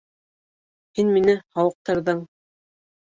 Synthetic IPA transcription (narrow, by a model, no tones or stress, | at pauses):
hinminɘhɑwɤ̆q̚t̪ɑɾðɤɴ